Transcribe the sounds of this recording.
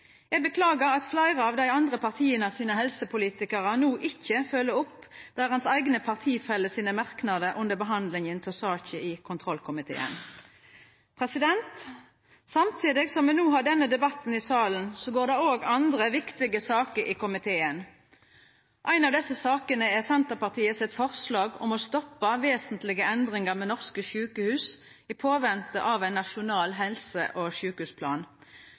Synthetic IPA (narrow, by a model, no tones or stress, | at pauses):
jɛɡ̚bəkʰlɑːɡəʁɑt̪flæɪʁəɑʋd̪æɪɑnd̪ʁəpʰɑʁt̪ʰiːənəsiːnəhɛlsəpʰʊliːt̪ɪkəʁənuːʔɪçːəfœlːəʊpːd̪̥æʁhɑnsæɪɡnəpʰɑʁt̪ʰiːfɛlːəsiːnəmɑʁknɑd̪əʔʊnd̪əbəɦɑnd̪lɪŋənt̪ʰɛsɑːçəʔɪkʰʊnt̪ʰʁɔlkʰʊmɪt̪ʰḛːə̰n | pʰʁɛsɪd̪ɛnt̪ | sɑmt̪ʰiːd̪ɪɡsɔmɛnuːɦɑɖɛnːəd̪ɛbɑt̪n̩ɪsɑːlən̩sɔɡoːʁd̪ɛoːɡɑnd̪ʁəʋɪkt̪ɪɡəsɑːkəɾʔɪkʊmɪt̪ʰeːən | ʔæɪnɑʋd̪ɛsːəsɑːkənəɛʁsɛnt̪əʁpɑʁt̪ʰiːəsɪt̪fɔʁslɑːɡɔmɔst̪ɔpːəʋeːsənt̪lɪɡəɛnd̪ʁɪŋəʁmɛːnɔʁskəʃʉːkəhʉːs | ɪpʰoːʋɛnt̪ə̰ʔɑʋæɪnːɑʃʊnɑːlɦɛlsə̰ʔɔʃʉːkəhʉːspʰlɑːn